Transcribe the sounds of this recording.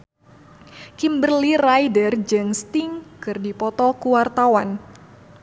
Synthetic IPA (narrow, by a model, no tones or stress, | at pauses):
kimbərlirajdərd͡ʒɨŋst̪iŋkɨrdipɔt̪ɔkuwart̪awan